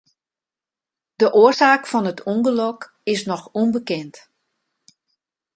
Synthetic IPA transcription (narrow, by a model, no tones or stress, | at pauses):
d̥əʔoərsaːkfɔnətʰuŋɡəlɔk | ɪsnɔxunbəkɛnt